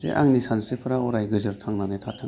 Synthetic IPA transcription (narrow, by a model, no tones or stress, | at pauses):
zḛʔa̰ŋnisʰansɯpʰɯɾaɔɾajɡɯzɯɾtʰaŋnanetʰatʰɯ